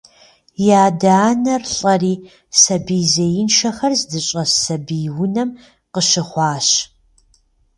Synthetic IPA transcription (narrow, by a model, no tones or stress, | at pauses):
jaːdaːnɐrɬʼɐriː | sɐbiːzɐjɪnʃɐxɐrzdɨɕʼɐsɐbiːwʊnɐm | qəʃɪχʷɑːɕ